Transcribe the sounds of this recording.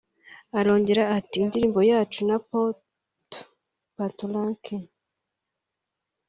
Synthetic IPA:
aɾoːɲɟeɾaːtiːndiɾiːmbo̞jaːt͡ʃunapo | to̥ | patolaŋkʰe

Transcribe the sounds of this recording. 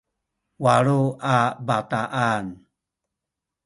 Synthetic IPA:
waɾuabataʔan

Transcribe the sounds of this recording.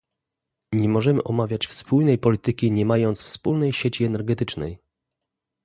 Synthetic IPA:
ɲɛmɔʐɛmɘ̰ʔɔmavʲjat͡ɕfspulnɛjpɔlʲit̪ɘkʲiɲɛmajɔnt̪sfspulnɛjɕɛt͡ɕiɛnɛɾɡɛt̪ɘt͡ʂnɛ̰j

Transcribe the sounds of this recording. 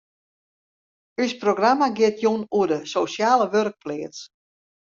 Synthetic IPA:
ysproɡramaɡɪətʰjunuədəsosjaːləʋørk̚plɪəts

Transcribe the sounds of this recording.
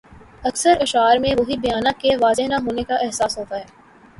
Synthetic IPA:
ɐksəɾɐʃaːɾmẽʋoɦibɐjaːnakeʋaːzeɦnaɦoːnekaʔɛɦsaːsɦoːt̪aɦɛː

